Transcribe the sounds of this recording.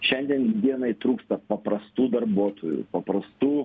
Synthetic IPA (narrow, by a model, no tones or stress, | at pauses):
ʃʲɛnʲd̪ʲiɛnd̪ʲiɛnɐɪt̪ɾuːkst̪ɐpɐpɾɐst̪uːd̪ɐɾbuɔt̪ʰoːjṵpɐpɾɐst̪uː